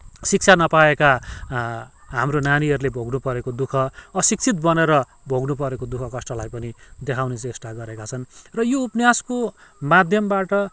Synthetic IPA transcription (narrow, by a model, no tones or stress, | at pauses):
sik̚t͡sʰanʌpaeka | ɦamronaniɦʌɾulebʱoɡnupʌɾekod̪ukʰʌːsik̚t͡sʰit̪̚bʌneɾʌ | bʱoɡnup̬ʌɾekod̪ukʰʌkʌsʈʌlajpʌnid̪ekʰawnet͡sʌesʈaɡʌɾekat͡sʰʌnrʌjoupnjaskomad̪ʱjʌmbaʈʌ